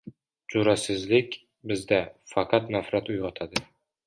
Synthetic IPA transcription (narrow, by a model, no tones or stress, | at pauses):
d͡ʒʊɾasɪzlɪkʲ | bɪzd̪afɑqʰɑt̪nafɾat̪ʊjʁɒt̪ʰad̪ɪ